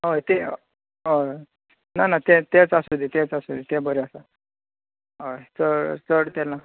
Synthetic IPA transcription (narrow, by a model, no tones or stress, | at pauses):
ɦojt̪e | ɦo | nanat̪ɛ̃t̪ɛt͡sasud̪it̪ɛt͡sasud̪it̪ɛ̃bəɾasa | ɦojt͡səɽt͡səɽt̪ɛla